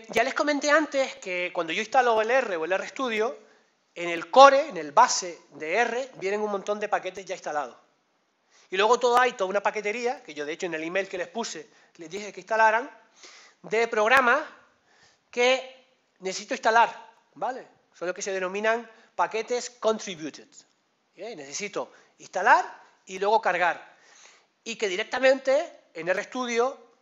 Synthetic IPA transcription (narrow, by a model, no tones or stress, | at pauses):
ɟ͡ʝale̞sko̞mẽnt̪e̞ant̪e̞ske̞kwand̪oo̞ist̪aloele̞re̞oe̞le̞rest̪uð̞jo | ene̞lko̞ɾe̞ːne̞lβase̞d̪eere̞bje̞ne̞ŋuŋmõnt̪o̞nd̪e̞pake̞t̪eɦʝaist̪alað̞o̞ | ilwe̞ɣ̞o̞t̪o̞ðoajt̪oðunapake̞t̪e̞ɾiake̞ʝo̞ðe̞et͡ʃoene̞limejlke̞le̞hpuse̞ | le̞zðihe̞keiht̪alaɾaŋ | d̪e̞pɾo̞ɣɾamas | ke̞ | neθesit̪oist̪alaɾ | bale̞ | soloke̞se̞ð̞eno̞mĩnaŋ | pake̞t̪e̞sko̞nt̪ɾiβjut̪et̪ | ene̞θesit̪o̞ | ist̪alaɾ | ilwe̞ɣo̞kaɾɣ̞aɾ | ike̞ðiɾe̞k̚t̪amẽnt̪e̞ː | nerest̪uðjo̞